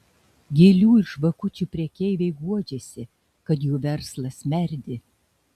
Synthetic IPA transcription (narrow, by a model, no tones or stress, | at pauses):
ɡʲeːlʲuːɪʃʋɐkʊt͡ʃʲupʲɾʲiɛkʲɛɪʋʲɛɪɡuɔd͡ʒʲɛsʲɪ | kɐt̪juːʋʲɛɾslˠɐsmʲɛɾʲd̪ʲɪ